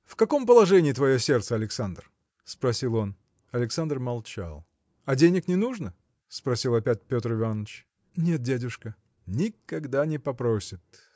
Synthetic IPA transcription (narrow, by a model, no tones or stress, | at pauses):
fkɐko̞mpəlˠɐʐɛnʲɪːt̪vɐjo̞sʲe̞rt̪səɐlʲɪksand̪r | spɾɐsʲilˠo̞n | ɐlʲɪksand̪rmɐlˠt͡ɕa̰lˠ | ɐdʲenʲɪknʲɪnuʐnə | spɾɐsʲilˠɐpʲæt̚ʲpʲo̞t̪rɨvanət͡ɕ | nʲet̪̚dʲadʲʊʂkə | nʲɪkɐɡd̪anʲɪpɐpɾosʲɪt̪